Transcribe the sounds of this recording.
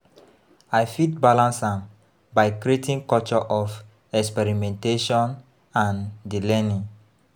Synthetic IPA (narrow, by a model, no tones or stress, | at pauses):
ajfitbalãnsãm | baɪkɾietĩŋkɔt͡ʃɔʔɔf | ɛkspɛɾimɛ̃nteʃɔ̃n | ãndilɛnĩŋ